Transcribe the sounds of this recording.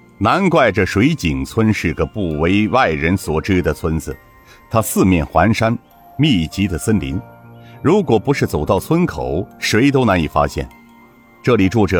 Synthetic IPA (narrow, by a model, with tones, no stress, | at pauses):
na˧˥nkwa˥˩ɪʈ͡ʂə˩ʂwe˧˥ɪt͡ɕi˨˩ŋt͡sʰwə˥nʂɻ̩˥˩ɡə˧˦pu˥˩we˧˥ɪwa˥˩ɪɻə˧˥nswɔ˨˩ʈ͡ʂɻ̩˥d̪ə˨t͡sʰwə˥nd͡zɹ̩˩ | t̪ʰa˥sɹ̩˥˧mjɛ˥˩nxwa˧˥nʂa˥n | mi˥˩t͡ɕi˧˥d̪ə˨sə˥nlḭ˧˥nɻu˧˥kwɔ˨˩pu˧˥ʂɻ̩˥˩t͡so˨˩ʊt̪ɑ˥˩ʊt͡sʰwə˥nkʰo˨˩˦ʊʂwe˧˥ɪt̪̬o˥ʊna˧˥ni˨˩fa̰˥ɕjɛ̰˥˩n | ʈ͡ʂɤ˥˩li˨˩ʈ͡ʂwɔ˥˩ʈ͡ʂɤ˨˩˦